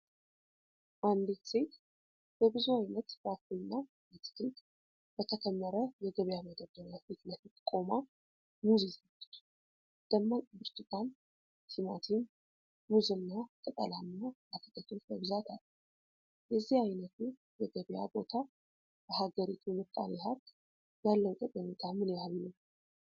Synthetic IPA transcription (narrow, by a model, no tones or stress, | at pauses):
ʔand̪it̪se̞t̪ | b̥əbɨzuajnət̪bakuɨnːa | bət̪ʰɨ̥d̪kʼ | b̥ət̪ʰəkʰəmːəɾəjɛɡəβjaməd̪əd̪əɾjafit̪ləfit̪ʼkʼo̞ma | muzizalːət͡ʃː | d̪̥əmːabɨɾt̪ʰʼɨt̪ʰʼan | sɨmat̪ʰin | muzɨnːakʼɨt̪ʼə̰lanːabafət̪ʼət̪ʰːot͡ʃməβzat̪ʰalː | jəzːihajnət̪ʰu | jɛɡəβja̰bo̞t̪ʰa | b̥əhaɡəɾit̪ʰumɨt̪ʼːa̰niɦaɾk̪ | jalːəwut̪ʼəkʼəɲit̪ʰamɨneaβinəw